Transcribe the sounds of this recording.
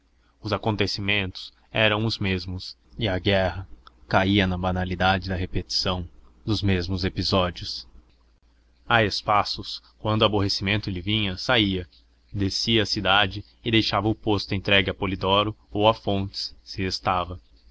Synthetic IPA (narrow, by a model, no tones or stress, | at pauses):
ʊzakõnt̪esimẽnt̪ʊ̥s | ɛɾɐ̃w̃ʊzmezmʊs | iɐɡɛɦɐkaiɐnɐbanalid̪ad͡ʒɪd̪ɐɦepet͡ʃi̥sɐ̃w̃d̪ʊzmezmʊzepizɔd͡ʒiʊs | aespasʊs | kwɐ̃nd̪ʊaboɦesimẽnt̪ʊlɪvĩɲɐsaiɐ | d̪esiɐːsid̪ad͡ʒɪ | ɪd̪ejʃavɐʊpost̪ʊẽnt̪ɾɛɡɪɐpolid̪ɔɾʊowafõnt͡ʃɪ̥ssɪest̪avɐ